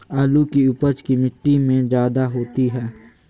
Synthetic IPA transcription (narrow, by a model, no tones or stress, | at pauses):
aːlukiʊpəd͡ʒkimɪʈːimẽzjaːd̪aɦoːt̪iɦɛː